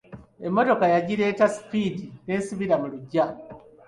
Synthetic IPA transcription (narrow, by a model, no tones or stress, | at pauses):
e̞mːo̞to̞kajaɟiɾe̞ːtasi̥pidine̞ːsiβiɾamuluɟa